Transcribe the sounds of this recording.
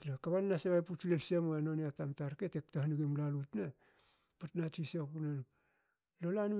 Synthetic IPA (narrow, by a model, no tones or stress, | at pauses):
nakaβanːaseβajput͡ʃlelsemoanoniatamtaɾketek̚tahniɡimlalutna | patnatisaknan | lolanu